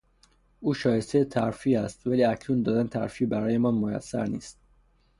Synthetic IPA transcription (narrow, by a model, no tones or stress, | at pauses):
uːʃɒːje̞st̪ejet̪ʰæɾfiːæst̪væliːæcʰnuːnd̪ɒːd̪ænet̪ʰæ̰ɾfiːbæɾɒːje̞mɒːnmojæ̰sːæ̰ɾnḭːst̪̚